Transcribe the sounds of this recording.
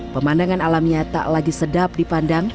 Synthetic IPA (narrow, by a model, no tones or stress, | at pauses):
pəmandaŋanalamɲat̪a̰ʔlaɡisədap̚dipandaŋ